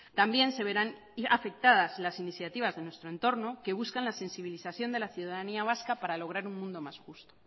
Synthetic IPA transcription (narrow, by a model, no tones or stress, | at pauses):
t̪ambje̞nse̞β̞e̞ɾan | afe̞k̚t̪að̞azlasiniθjat̪iβ̞azðenwe̞st̪ɾoent̪o̞ɾno̞ke̞β̞uskanlase̞nsiβ̞iliθaθjo̞nd̪e̞laθjuðaðaniaβ̞askapaɾalo̞ɣ̞ɾaɾunmũnd̪o̞masxust̪o